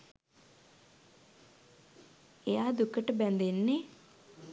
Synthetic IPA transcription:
ejaːd̪ukːɐʈəbɛnd̪enːe

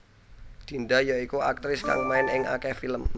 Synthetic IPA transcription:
d̪̥i̤nd̪ajaikuak̚t̪ɾɪska̰ŋmaɪnɪŋa̰kɛfiləmː

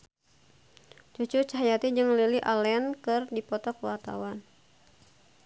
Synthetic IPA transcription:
t͡ʃut͡ʃurt͡ʃaɦajat̪id͡ʒɨŋliliʔalɛnkɨrdipɔt̪ɔkəwa̰rt̪a̰wan

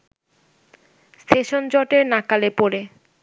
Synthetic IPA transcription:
st̪ʰeʃond͡ʑɔʈeɾnakalepoɾe

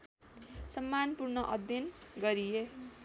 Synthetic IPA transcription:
sʌmːanpurnʌʔʌd̪jʌnɡʌɾie

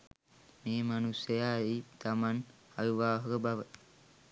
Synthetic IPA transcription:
meːmanusəjaːit̪aman | aʋiʋaːɦəɡəbaʋə

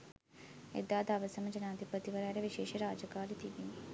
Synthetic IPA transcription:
ḛd̪aːd̪aːʋəsɐməd͡ʒɐnaːd̪ʱipət̪iʋɐɾaːɾeʋiʃeːʃiɾaːd͡ʒɐkaːlit̪iʋini

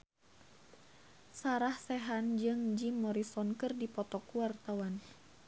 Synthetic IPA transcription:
saɾahsɛɦand͡ʒɨŋd͡ʒimːɔɾisɔnkɨrdipɔt̪ɔkuwart̪awan

